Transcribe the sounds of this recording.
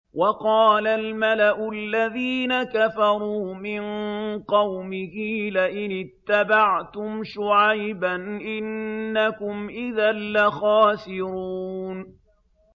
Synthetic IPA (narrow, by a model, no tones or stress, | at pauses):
wʔɑqɑːlalmalaʔʊalːaðiːnakafɑɾˤuːmɪnqɑwmɪhilaʔɪnɪt̪ːabaʕt̪ʊmʃʊʕajbanʔɪnːakʊmʔɪðaːaxaːsɪɾuːn